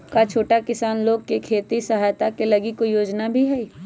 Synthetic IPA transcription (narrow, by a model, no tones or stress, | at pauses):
kat͡ʃʰoːʈakɪsaːnloːɡ̚kekʰeːt̪isɐɦaːjt̪akelɐɡikojoːd͡ʒnabʱiɦɛi